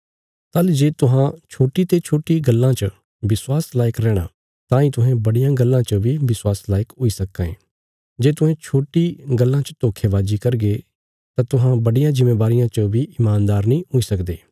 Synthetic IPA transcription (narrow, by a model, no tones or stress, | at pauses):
t̪ɐld͡ʒeːt̪ʊɦãt͡ʃʰoːʈit̪et͡ʃʰoːʈiɡɐlːãt͡ʃə | bɪswaːslaːjəkɾɛːɽ̃a̰ | t̪ãːĩt̪ʊɦɛ̃bɐɽijãɡɐlːãt͡ʃəbʱibɪswaːslaːɪkɦʊisɐkːãḛ̃ː | d͡ʒeːt̪ʊɦɛ̃t͡ʃʰoːʈiɡɐlːãt͡ʃət̪oːkʰeʋaːd͡ʒikɐɾɡe | t̪ãt̪ʊɦãbɐɽijãzɪmːeːbaːɾɪjãt͡ʃəbʱiɪmaːnd̪aːɾnĩɦʊisɐkd̪ḛː